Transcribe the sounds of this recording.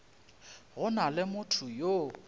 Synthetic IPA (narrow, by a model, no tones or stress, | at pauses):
ɣʊnalɪmʊtʰʊjo